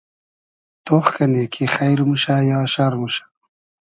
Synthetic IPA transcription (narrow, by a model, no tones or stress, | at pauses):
t̪oxkanekʰexajɾmuʃajɑːʃaɾmuʃḁ